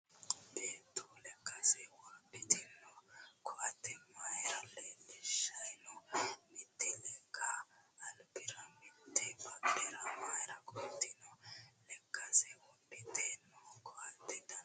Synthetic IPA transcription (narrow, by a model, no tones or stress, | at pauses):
beːt̪ːulɛkːɐsɛwabɪt̪ɪnːɔkɔat̪ːɛmajɾɐlɛmɪʃːɐjnɔmɪt̪ːɪlɛkʰɐːlbɪɾɐmɪt̪ːɛbɐbɪɾɐmajɾɐkɔt̪ːɪnɔlɛkːɐsɛwɔbɪt̪ʰːenːɔkɔat̪ːɪd̪ɐ